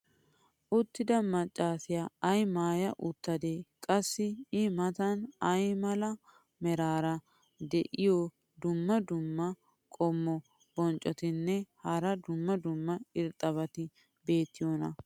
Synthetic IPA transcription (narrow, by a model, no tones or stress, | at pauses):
ʔʊt̪ːɪd̪ɐmɐt͡ʃʼːaːsɪjaɐjmaːjɐʔʊt̪ːɐd̪eːkʼɐsːɪɪmɐt̪ɐnɐjmɐlɐ | mɛɾaːɾɐ | d̪ɛʔɪjɔ | d̪ʊmːɐd̪ʊmːɐ | kʼɔmːɔ | b̥ɔnt͡ʃʼːɔt̪ɪnːɛhɐɾɐd̪ʊmːɐd̪ʊmːɐɪɾt̪ʼːɐβɐt̪ɪ | be̞ːt̪ːɪjonɐ